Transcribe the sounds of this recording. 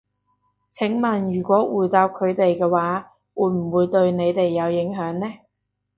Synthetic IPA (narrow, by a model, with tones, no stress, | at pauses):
t͡sʰɪ˨˥ŋmɐ˨njyː˨˩kʷɔː˨˥wuː˨˩jt̪aː˧p̚kʰɵ˨˧ɥt̪e˨jkɛː˧waː˨˥ | wuː˨˧˥jm̩˨˩wuː˨˧jt̪ɵ˧ɥne˨˧jt̪e˨jːɐ˨˧wjɪ˨˥ŋɦœː˨˥ŋnɛː˥